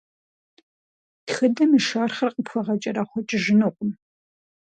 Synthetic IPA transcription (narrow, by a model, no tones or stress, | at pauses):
txɨdɐmɨʃaːrχɐrqəpfɐʁɐt͡ʃʼɐɾɐχʷɔt͡ʃʼɪʒɪnuqʷʼʊm